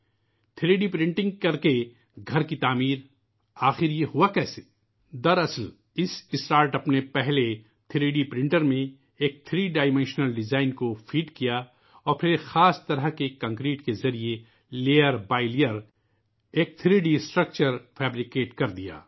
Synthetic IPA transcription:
t̪ʰɪɾeːɖipɾɪ̃ɳʈɪ̃ŋɡ̚kɐɾke | ɡʱɐɾkit̪aːmiːɾ | aːxɪɾjeɦuakɛːse | d̪ɐɾɐsəl | ɪsɪsʈaːɾʈɐpnepɛɦle | t̪ʰɪɾiːɖipɾɪ̃ɳʈəɾmẽ | eːk̚t̪ʰɾiːɖaːɪmɛ̃nʃnəlɖɪzaːɪnkofiːɖkija | ɔːɾpʰɪɾxaːst̪ɐɾəɦkekɐ̃ŋkɾiːʈkezɐɾie | leːəɾbaːɪlijəɾ | eːk̚t̪ʰɾiːɖisʈɾək̚t͡ʃəɾfʰɛːbɾɪkeːʈkɐɾd̪ija̰ː

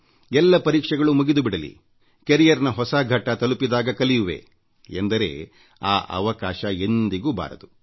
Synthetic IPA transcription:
ɛlːɐpɐɾiːkʂɛɡɐɭumuɡid̪ubiɽɐlḭ | keɾijɐɾnɐɦɔsaːɡʱɐʈːɐt̪ɐlupid̪aːɡɐkɐlijuʋḛ | end̪ɐɾe̞̰ː | aːʔɐ̰ʋɐkaːʃɐend̪iɡuːba̰ːɾɐd̪u

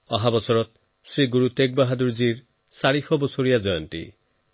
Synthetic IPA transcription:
ɔɦabɔsɔɾɔt̪̚ | sɾiɡuɾut̪ek̚baɦad̪uɾd͡ʒiɾ | saɾixʰɔbɔsoɾijad͡ʒɔjɔnt̪ḭ

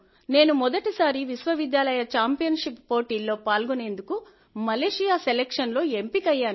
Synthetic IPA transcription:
ne̞ːnumɔd̪ɐʈisaːɾiʋisʋɐʋid̪jaːlɐjɐt͡ʃaːmpijɐnʂipːo̞ːʈiːlːo̞ːpaːlɡune̞ːnd̪uku | mɐleːʂijaːselekʂɐnlo̞ːe̞mpikɐjːaːnu

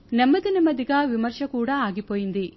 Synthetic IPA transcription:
nɛmːɐd̪inɐmɐd̪iɡɐʋimɐɾʃɐkuːɽɐaːɡipoːjind̪i

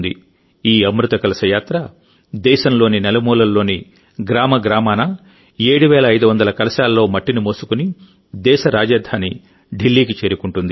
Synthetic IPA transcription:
nd̪ḭ | iːɐmɾut̪ɐkɐlɐsɐjaːt̪ɾɐ | d̪ɛːʃɐmlo̞ːninɛlɐmuːlɐlːo̞ːni | ɡɾaːmɐɡɾaːmaːnɐ | eːɽuʋɛːlɐɐjd̪uʋɐnd̪ɐlɐkɐlɐsaːlɐːo̞ːmɐʈːinimoːsukuni | d̪ɛːʃɐɾaːd͡ʒaːd̪ʱaːni | ɖilːiːk̬it͡ʃe̞ːɾukuɳʈund̪i

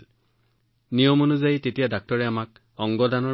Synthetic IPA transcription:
nijɔmonuzajitetijadak̚tɔɹɛamak̚ | ɔŋɡɔdanɔ

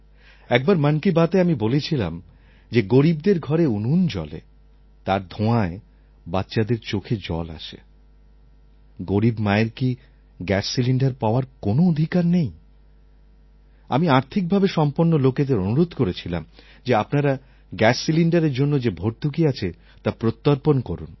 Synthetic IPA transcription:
ɛk̚baɾmankibat̪eamibolet͡ɕʰila̰m | d͡ʑeɡoɾib̚d̪eɾɡʱɔɾeunund͡ʑɔ̰lḛ | t̪aɾd̪ʱõae | batːɕad̪eɾt͡ɕokʰed͡ʑɔ̰la̰ʃḛ | ɡoɾibmaeɾki | ɡɛsːiliɳɖaɾpaoaɾkonood̪ʱikaɾnej | a̰miaɾt̪ʰik̚bʱabeʃɔmpoɾnːoloked̪eɾonuɾod̪ʱkoɾet͡ɕʰila̰m | d͡ʑeapnaɾa | ɡɛsːiliɳɖaɾeɾd͡ʑonːod͡ʑebʱoɾ̚d̪ʱukiat͡ɕʰe | t̪apɾot̪ːaɾponkɔɾun

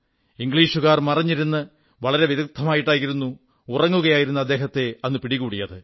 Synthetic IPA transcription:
iŋɡɭiːʂuɣaːrmɐrɐɲːiɾunːɨ | ʋɐɭɐɾe̞ʋjeðuk̚t̪ʰːɐmaːjiʈːaːjiɾunːu | urɐŋːuɣɐjaːjiɾunːɐd̪ːe̞ːɦɐt̪ːe̞ɐnːɨpiɽiɣuːɽijɐðɨ

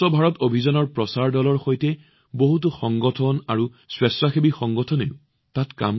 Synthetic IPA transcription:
ɔbʱaɹɔtobʱizɔnɔɹpɹɔsaɹdɔlɔɹxojtɛ | boɦut̬uxɔŋɡɔtʰɔnaɹu | swɛsɹaxebixɔŋɡɔtʰɔneʊ | tatka̰m

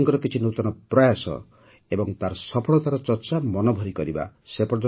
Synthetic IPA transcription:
ŋkɔɾɔkit͡ʃʰinot̪ɔnɔpɾɔjasɔ̰ | ebɔŋt̪aɾsɔpʰɔɭɔt̪aɾɔt͡ʃɔɾt͡ʃamɔnobʱɔɾikɔɾiba̰sepɾɔd͡ʒɔ

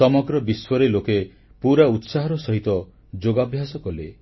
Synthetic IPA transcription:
sɔmɔɡɾɔbiswɔɾeloke | puɾaut̪saɦɔɾɔsɔɦit̪ɔ | d͡ʒoɡabʱjasɔkɔle

